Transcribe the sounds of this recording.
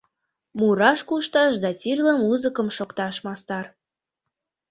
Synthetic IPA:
muɾɑʃkuʃt̪ɑʃd̪ɑt͡sʲirlə̆muzəkə̆mʃokt̪ɑʃmɑst̪ɑr

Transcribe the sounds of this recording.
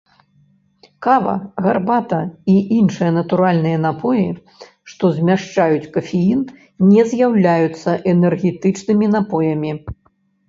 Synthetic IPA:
kavɐ̰ɣarbat̪ɐiʔinʂɨjɐnɐt̪uɾalʲnɨjɐnapʰɔji | ʂt̪ɔzʲmʲaʂt͡ʂajut͡sʲkɐfʲejin | nʲɛzʲjawlʲajut̪sːɐʔɛnɛrɣʲɛt̪ɨt͡ʂnɨmʲinapɔjɐmʲi

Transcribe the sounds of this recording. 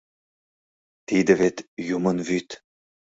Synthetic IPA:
t̪id̪əvet̪jumənvyt̪

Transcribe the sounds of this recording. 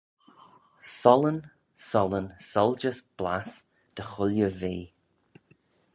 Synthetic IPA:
sɔlən | sɔlənsɔlˠd͡ʒəsb̥la̰s | d̪̥əxʊljəviː

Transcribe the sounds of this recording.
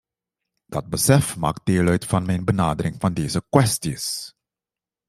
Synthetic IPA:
d̥ɑt̚bəsɛfma̰ːkdeːlœɥtfɑnmɛjnbənaːdərɪŋvɑndeːzəkwɛstis

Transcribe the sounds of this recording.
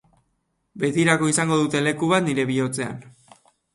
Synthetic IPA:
be̞ðiɾako̞isaŋɡo̞ð̞ut̪e̞le̞kuβ̞at̪niɾe̞βio̞t͡se̞a̰n

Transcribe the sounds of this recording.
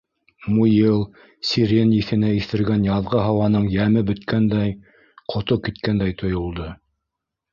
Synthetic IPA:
mujilˠ | sʲiɾʲenjiθɘ̆næiθɘ̆ɾɡænjɑðʁɤɦɑwɑnɤɴjæmɘbɵ̆t̪kʰænd̪æj | qʰŏt̪okit̪kænd̪æjt̪ʰŏjŏlˠd̪ɤ

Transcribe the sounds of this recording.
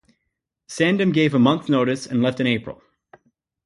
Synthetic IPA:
sæ̃ndɨ̃mɡeɪvəmʌ̃nθnoʊɾɨsɨ̰̃nlɛftɨ̃ñeɪpʰɹə̰lˠ

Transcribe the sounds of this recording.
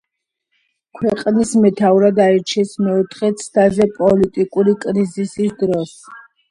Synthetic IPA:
kʰwɛqʼnismɛt̪ʰauɾad̪aiɾt͡ʃʰɛsmɛut̪ʰχɛt̪sʰt̪ʰazɛpʼɔlit̪ʼikʼuɾikʼɾizisisd̪ɾɔs

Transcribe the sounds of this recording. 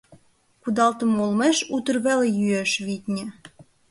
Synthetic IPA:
kud̪ɑlt̪ə̆molmeʃut̪ə̆rβelejyeʃβit̪ʲnʲĕ

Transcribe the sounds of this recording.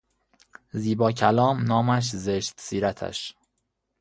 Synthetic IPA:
ziːbɒːcʰælɒːmnɒːmæʃ̬zeʃt̪siːɾæt̪ʰæ̰ʃ

